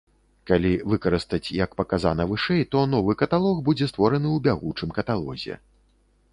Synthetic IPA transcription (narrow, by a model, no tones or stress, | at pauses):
kalʲivɨkɐɾɨst̪ɐt͡sʲjɐkpɐkaza̰nɐvɨʂɛjt̪ɔnɔvɨkɐt̪alˠɔxbud͡zʲɛst̪vɔɾɐnɨwbʲaɣut͡ʂɨmkɐt̪alˠɔ̰zʲɛ̰